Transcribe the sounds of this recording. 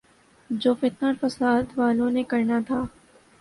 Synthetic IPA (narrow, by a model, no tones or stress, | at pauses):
d͡ʒoːfɪt̪̚naɾfɐsaːd̪ʋaːlõnekɐɾnat̪ʰaː